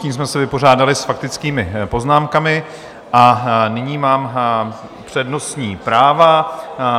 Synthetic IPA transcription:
ciːms̬mɛsɛvɪpo̞raːdalɪsfak̚t̪ɪt͡skiːmɪpo̞znaːmkamɪ | ʔanɪɲiːmaːm | pr̝̥ɛdno̞sɲiːpɾaːva

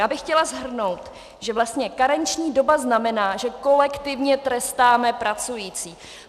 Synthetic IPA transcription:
aːbɪxcɛlazɦr̩no̞wt̪ | ʒ̥ɛvlast̪ɲɛkaɾɛnt͡ʃɲiːdobaznamɛnaːʒɛko̞lɛkt̪ɪvɲɛt̪ɾɛst̪aːmɛpɾat͡sujiːt͡siː

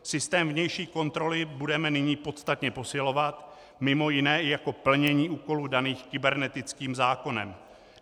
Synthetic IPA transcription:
sɪst̪ɛːmvɲɛjʃiːko̞nt̪ɾo̞lɪbudɛmɛnɪɲiːpo̞t̪st̪at̪ɲɛpo̞sɪlo̞vat̪ | mɪmo̞jɪnɛːɪjako̞pl̩ɲɛɲiːʔuːko̞luːdaniːxkɪbɛɾnɛt̪ɪt͡skiːmzaːko̞nɛ̰m

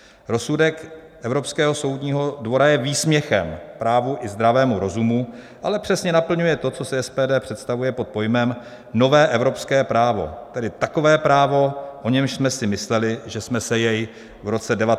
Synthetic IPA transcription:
ɾo̞sudɛk | ʔɛvɾo̞pskɛːɦo̞so̞wdɲiːɦo̞dvo̞ɾajɛviːsmɲɛxɛ̰mpɾaːvuʔɪzd̪ɾavɛːmuɾo̞zumu | ʔalɛpr̝̥ɛsɲɛnapl̩ɲujɛt̪o̞t͡so̞sɛɛspɛːdɛːpr̥ɛt̪st̪avujɛpo̞t̪̚po̞jmɛm | no̞vɛːʔɛvɾo̞pskɛːpɾaːvo̞̰t̪ɛdɪt̪ako̞vɛːpɾaːvo̞ʔo̞ɲɛmʃsmɛsɪmɪslɛlɪʒɛsmɛsɛjɛj | vɾo̞t͡sɛdɛva

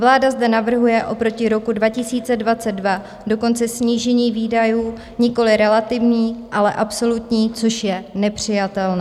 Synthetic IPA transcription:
vlaːdazdɛnavr̩ɦujɛʔo̞pɾo̞cɪɾo̞kudvacɪsiːt͡sɛdvat͡sɛdva | do̞ko̞nt͡sɛsɲiːʒɛɲiːviːdajuː | ɲɪko̞lɪɾɛlat̪ɪvɲiːʔalɛʔapso̞lut̪ɲiːt͡so̞ʃjɛnɛpr̝̥ɪjat̪ɛlnɛː

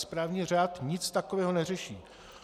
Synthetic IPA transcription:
spɾaːvɲiːr̝aːt̪ɲɪt͡st̪akovɛːɦo̞nɛrɛʃiː

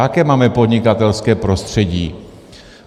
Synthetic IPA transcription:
akɛːmaːmɛpo̞d̪ɲɪkat̪ɛlskɛːpɾo̞st̪r̝̥ɛɟḭː

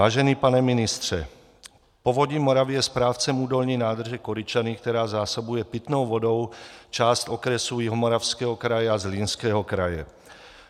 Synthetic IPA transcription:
aːʒɛniːpanɛminist̪ɾɛ̰ | pɔʋɔɟimɔɾaʋijɛspɾaːʊt͡sɛmuːd̪ɔlɲiːnaːd̪r̩ʒɛkɔɾit͡ʃanikt̪ɛɾaːzaːsɔbujɛpit̪nɔʊʋɔd̪ɔʊt͡ʃaːsc̪ɔkɾɛsujiɦɔmɔɾaʊskɛɦɔkɾajaazlinskɛɦɔkɾaja̰

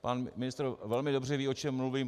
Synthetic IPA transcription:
panmɪnɪst̪ɾvɛlmɪdo̞br̝ɛviːo̞t͡ʃɛmːluviːm

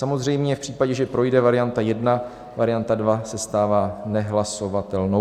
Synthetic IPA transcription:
samo̞zrɛjmɲɛfpr̝̥iːpaɟɛʒɛpɾo̞jdɛvaɾɪjant̪ajɛdna | vaɾɪjant̪advasɛst̪aːvaːnɛɦlaso̞vat̪ɛlnow

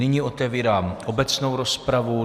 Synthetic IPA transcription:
ɪɲiʔo̞t̪ɛviːɾaːmʔo̞bɛt͡sno̞wɾo̞spɾavu

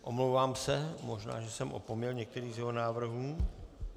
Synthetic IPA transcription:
ʔomlowvaːmsɛmo̞ʒna̰ːʒɛsɛmʔopomɲɛlɲɛk̚t̪ɛɾiːzjɛɦonaːvr̩ɦuː

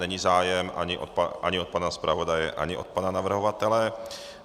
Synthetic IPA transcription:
nɛɲizaːjɛmʔa̰ɲɪʔotpaʔaɲɪot̪̚panaspɾʔavo̞dajɛʔa̰ɲɪʔot̪̚pananavr̩ɦovat̪ɛlɛ

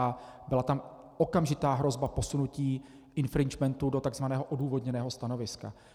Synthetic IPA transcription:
abɪlat̪am | ʔo̞kamʒɪt̪aːɦɾo̞zbapo̞sunuciː | ʔɪnfɾɪnd͡ʒmɛnt̪udo̞t̪aɡzvanɛːɦoʔoduːvo̞dɲɛnɛːɦo̞st̪ano̞vɪska̰

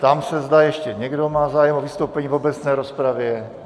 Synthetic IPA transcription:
t̪amsɛzd̪ajɛʃcɛɲɛɡdo̞maːzaːjɛmovist̪owpɛɲiːvo̞bɛt͡snɛːɾospɾavjɛ

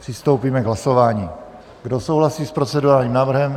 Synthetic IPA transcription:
pr̥ɪst̪owpiːmɛɡɦlaso̞vaːɲiː | ɡdo̞sowɦlasiːspɾo̞t͡sɛduɾaːlɲiːmnaːvr̩ɦɛm

